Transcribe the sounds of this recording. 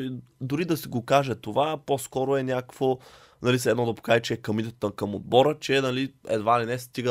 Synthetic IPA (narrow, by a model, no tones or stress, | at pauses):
d̪ʊɾid̪ɐsiɡokaʒɛt̪ovapɔskɔɾoɛnʲakvo | nɐlisɛd̪nɔd̪ɐpo̥kaʒɛt͡ʃɛːkɐmit̪t̪t̪əkɐmod̪̚bɔɾət͡ʃɛnɐliɛ̰d̪valinɛst̪iɡ